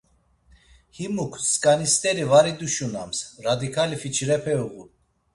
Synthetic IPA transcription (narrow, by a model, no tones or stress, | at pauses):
himukʰskʼanist̪ɛɾivaɾid̪uʃunamsɾad̪ikʰalifit͡ʃʰɾɛpʰɛuʁu